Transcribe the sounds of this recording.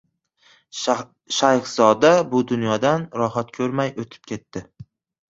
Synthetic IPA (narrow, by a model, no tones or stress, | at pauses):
ʃajχz̥ɒd̪abʊd̪ʊnjɒd̪anɾɒɦat̪̚kʲʰɵɾmajot̪ʰɪ̥p̚kʲʰe̞t̪ːɪ